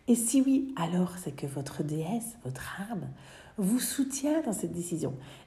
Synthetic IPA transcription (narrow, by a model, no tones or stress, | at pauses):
esiwialɔʁsɛkəvɔt̪χəd̪eɛsvɔt̪χaʁm | vusut̪jɛ̃d̪ɑ̃sɛt̪̚d̪esizjɔ̰̃